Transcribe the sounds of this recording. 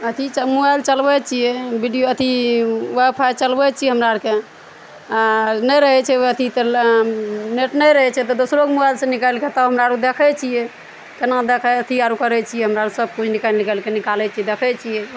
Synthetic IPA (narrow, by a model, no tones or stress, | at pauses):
ət̪ʰit͡ʃəmubajlt͡ʃəlbɛt͡ʃʰijɛbiɖijoət̪ʰiwabfʰajt͡ʃəlbɛt͡ʃʰiɛɦəmɾaɾke | anɛjɾəɦɛt͡ʃʰɛət̪ʰit̪ | neʈnɛjɾəɦɛt͡ʃʰɛt̪ɔd̪osɾokmubajlsẽnikəlket̪əɦəmɾaɾud̪ekʰɛt͡ʃʰijɛ | kenad̪ekʰɛət̪ʰiaɾukəɾɛt͡ʃʰijɛɦəmɾaɾusəb̚kut͡ʃʰnikəllikɛlkenikalɛt͡ʃʰiɛd̪ekʰɛt͡ʃʰijɛ